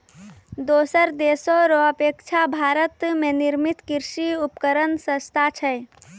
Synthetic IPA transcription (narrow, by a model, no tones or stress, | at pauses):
d̪oːsəɾd̪eːsoɾoəpekt͡ʃʰabʱaːɾət̪meniɾmit̪kiɾʃiupkəɾənsə̃st̪ʰat͡ʃʰə